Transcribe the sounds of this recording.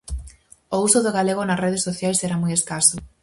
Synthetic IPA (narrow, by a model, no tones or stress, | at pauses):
ousʊðʊɣaleɣonɐsreð̞esːoθjajseɾamujeskasʊ